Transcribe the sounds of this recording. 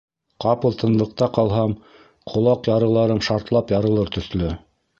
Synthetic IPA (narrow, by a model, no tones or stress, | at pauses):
qɑpɤ̆lˠt̪ɤ̆nlˠɤ̆q̚t̪ɑqɑlˠɦɑm | qʰŏlˠɑqjɑɾɤ̆lˠɑɾɤmʃɑɾt̪lˠɑpjɑɾɤ̆lˠɤɾt̪ɵ̆θlɘ